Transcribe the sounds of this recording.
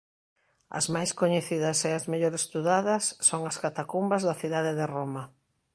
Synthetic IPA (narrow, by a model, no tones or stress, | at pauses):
ɐ̰zmajskoɲeθiðɐseazmeʎoɾest̪uðaðɐsːoŋɐskat̪akumbɐzðɐθiðaðeðɪromɐ